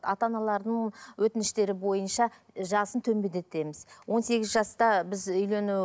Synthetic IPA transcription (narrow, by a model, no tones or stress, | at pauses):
ɑt̪ɑnɑlˠɑɾd̪əɴwɵt̪ɪnɪʃt̪e̞ɾɪbo̞jənʃɑ | ʒɑsənt̪ʰɵmbed̪e̞t̪e̞mɪzwʔo̞nse̞ɡʲɪzʒɑst̪ɑbɪzʏjle̞nu